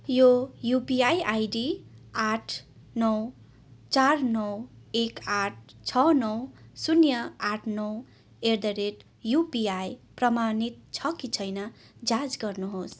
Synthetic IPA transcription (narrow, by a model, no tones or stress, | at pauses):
jojupiajajɖiaʈʰ | nʌw | t͡sarnʌwekaʈ̚ʰt͡sʰʌnʌwsunjʌaʈʰnʌw | erd̪ʌɾeʈ | jupiajprʌmanit̪̚t͡sʰʌkit͡sʰʌjnʌ | d͡zad͡zɡʌrnuɦos